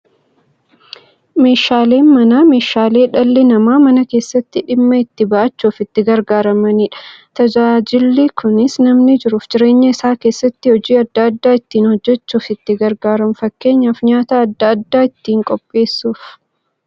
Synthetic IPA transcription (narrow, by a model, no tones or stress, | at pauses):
me̞ːʃaːle̞ːnmɐnaːme̞ːʃaːle̞ːᶑɐlːɛnɐmaːmɐnɐke̞ːsːɐt̪ːɪᶑɪmːɐɪt̪ːɪbɐʔɐt͡ʃːuːfɪt̪ːɪɡɐɾɡaːɾɐmɐniːᶑɐ̥t̪ɐd͡ʒaːd͡ʒɪlːɪkʰʊnɪsnɐmnɪd͡ʒɪɾufd͡ʒɪɾe̞ːɲːɐɪsaːke̞ːsːɐt̪ːɪhɔd͡ʒiːɐd̪ːɐːɐd̪ːaːɪt̪ːiːnhɔd͡ʒːɛt͡ʃːuːfɪt̪ːɪɡɐɾɡaːɾɐmfɐkːe̞ːɲːɐfɲaːt̪aːɐd̪ːɐɐd̪ːaːɪt̪ːiːŋkʼɔpʼːe̞ːsːuːf